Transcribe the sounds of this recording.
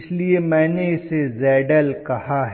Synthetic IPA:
sliemɛ̃ːneɪsezɛːɖəlkɐhɦaɦ

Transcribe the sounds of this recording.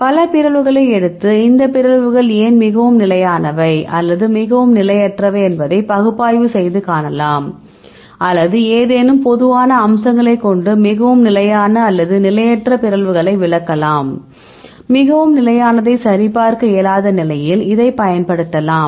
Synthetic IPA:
pɐlɐpɪɾɐɭʋɯɣɐɭɐɪɛɽɯt̪ːɯɪnd̪ɐpɪɾɐɭʋɯɣɐɭeːnmɪɣɐʋɯmnɪlɐjaːnɐʋɐɪʔɐlːɐðɯmɪɣɐʋɯmnɪlɐjɐʈrɐʋɐɛnbɐðɐɪpɐɣɯpːaːjʋɯsɛjðɯkaːnɐlaːm | ʔɐlːɐðɯeːðeːnɯmpɔðɯʋaːnɐːmsɐŋɡɐɭɐɪkːɔɳɖɯmɪɣɐʋɯmnɪlɐjaːnɐːlːɐðɯnɪlɐjɐʈrɐpɪɾɐɭʋɯɣɐɭɐɪʋɪɭɐkːɐlaːm | mɪɣɐʋɯmnɪlɐjaːnɐðɐɪsɐɾɪpaːɾkɯeːlaːðɐnɪlɐjɪlɪðɐɪpɐjɐnpɐɽɯt̪ːɐlaːm

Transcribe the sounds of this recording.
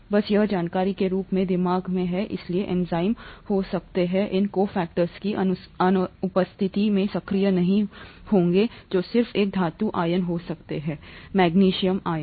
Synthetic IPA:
bɐsjɐɦd͡ʒaːnkaːɾikeɾuːpmẽd̪ɪmaːɡmẽɦɛʔɪ̰slieʔɛ̃ːnzaːɪmhosɐkt̪eɦɛ̃ʔɪnkoːfɛːk̚ʈəɾskiʔɐɐnʊpəst̪ʰɪt̪imẽsɐkʰɾijənɐɦĩhõːŋɡed͡ʒoːsɪɾfeːk̚d̪ʱaːt̪uʔaːjənɦosɐkt̪eɦɛːmɛːɡniːʃijəmaːjən

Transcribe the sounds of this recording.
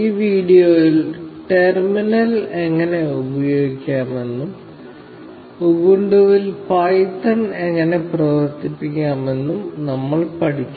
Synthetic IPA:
iːʋiːɽijoːjilʈerminɐleŋːɐne̞ubɐjo̞ːɡikʲːaːme̞nːum | uɣuɳɖuʋilpɐjt̪ːɐne̞ŋːɐne̞prɐʋɐrt̪ipːikʲːaːme̞nːumnɐmːɐɭpɐʈʰit͡ɕː

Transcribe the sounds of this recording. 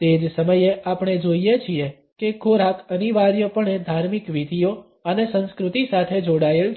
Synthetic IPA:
t̪ed͡ʒsəməjeʔapɳ̃ed͡ʒoijet͡ʃʰie | kekʰoɾakəniʋaɾjopəɳed̪ʱaɾmikʋid̪ʱijo | ənesə̃nskɾut̪isat̪ʰed͡ʒoɽael

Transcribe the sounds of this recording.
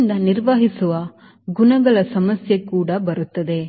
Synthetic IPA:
nd̪ɐniɾʋaːɦisuʋɐ | ɡunɐɡɐɭɐsɐmɐsjekuːɽɐbɐɾut̪ːɐd̪e̞

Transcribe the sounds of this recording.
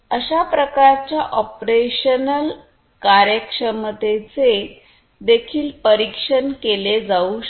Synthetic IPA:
əɕapɾəkaɾt͡ɕjaʔɔpɾeɕənəl | kaɾjəkʂəmt̪et͡se | d̪ekʰiːlpəɾikʂənkeled͡zau

